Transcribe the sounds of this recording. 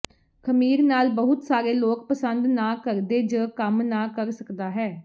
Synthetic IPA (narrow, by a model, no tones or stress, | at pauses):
kʰəmiːɾnaːlbəɦʊt̪saːɾeːloːkpəsənd̪naːkəɾd̪eːd͡ʒəːkəmnaːkəɾsəkd̪aːɦɛː